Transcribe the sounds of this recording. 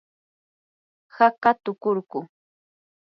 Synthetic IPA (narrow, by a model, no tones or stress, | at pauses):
hakat̪ʊkʊɾkʊ